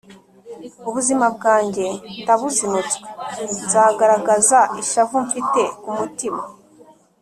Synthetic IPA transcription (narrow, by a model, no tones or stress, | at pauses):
uβuzimab̚ɡaːɲɟe̞taβusinut͡sɡwe̥zaːɡaɾaɡazaiʃavuɱfite̞umutima